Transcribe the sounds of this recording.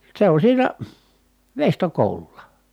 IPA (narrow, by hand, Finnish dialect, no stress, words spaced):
se on siːnæ ʋeistokoˑu̞lulˑɑ